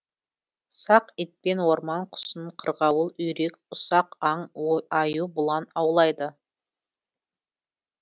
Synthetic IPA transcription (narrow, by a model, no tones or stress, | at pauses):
sɑqɪt̪̚pe̞nwo̞ɾmɑɴqʰʊ̥səɴqʰəɾʁɑwəlˠʏjɾek̚ʲ | ʊsɑqɑɴɑjubʊlˠɑnɑwlˠɑjd̪ə